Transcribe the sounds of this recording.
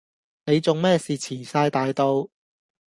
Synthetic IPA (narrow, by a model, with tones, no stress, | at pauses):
ne˨˧jt͡sʊ˨ŋmɛː˥˩siː˨t͡sʰiː˨˩saː˧jt̪aː˨jt̪o˧w